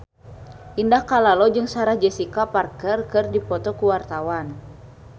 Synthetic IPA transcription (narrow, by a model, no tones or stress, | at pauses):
ʔindahkalalɔd͡ʒɨŋsaɾahd͡ʒɛsikaparkərkɨrdipɔt̪ɔkuwart̪awan